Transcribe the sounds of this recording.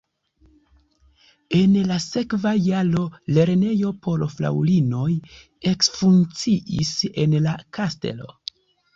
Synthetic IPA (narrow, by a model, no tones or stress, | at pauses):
e̞nlase̞kvajalo̞le̞ɾne̞jo̞po̞lofla̰wlino̞j | e̞ksfunt͡siʔḭse̞nlakaste̞̰lo̞̰